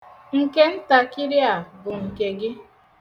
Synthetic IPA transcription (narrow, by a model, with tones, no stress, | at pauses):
ŋ̩˨ke˦n̩˦ta˨kɪ˦ɾɪ˦a˨bʊ˨ŋ̩˨ke˨ɡɪ˦